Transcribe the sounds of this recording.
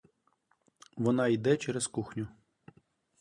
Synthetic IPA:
ʋɔnɑid̪ɛt͡ʃɛɾeskuxnʲʊ

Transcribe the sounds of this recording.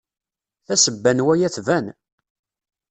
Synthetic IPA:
θæsəbːænwæjæθvæn

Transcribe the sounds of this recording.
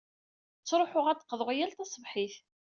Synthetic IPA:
t͡sːɾˤoħʊʁæt̪ːə̥qːðˤəʁijælt̪æsˤəvħiθ

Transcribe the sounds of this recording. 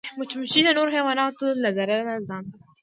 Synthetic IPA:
mʊt͡ʃmʊʃinanoɾoxewɑnɑt̪olazaɾalanazɑːnsa

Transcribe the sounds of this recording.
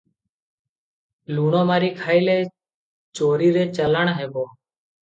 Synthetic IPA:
luːɳõːmaːɾiːkʰaːiːleː | t͡ʃoːɾiːɾeːt͡ʃələɳɦeːboː

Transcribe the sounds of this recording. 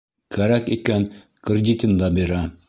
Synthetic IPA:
kæɾækikæn | krʲɪdʲit̪ʲɘnd̪ɑbiɾæ

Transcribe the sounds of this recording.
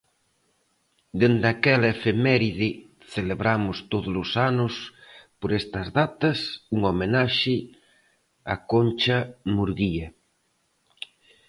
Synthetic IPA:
d̪end̪akɛlɐefemɛɾiðɪ | θeleβɾamʊst̪oðʊlʊsanʊspoɾɛst̪ɐzðat̪ɐsuŋomenaʃɪ | a̰kont͡ʃɐmuɾɣiɐ

